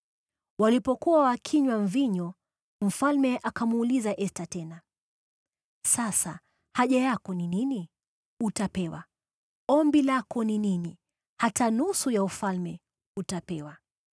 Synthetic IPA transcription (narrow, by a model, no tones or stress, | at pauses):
walipɔkuwawakʰiɲwaɱviɲɔ | m̩falmɛʔakamuːlizaʔɛstatɛna | sasa̰ | haʄajakɔninini | utapɛwa̰ | ɔmbilakɔninini | hatanusujaufalmɛ | utapɛwa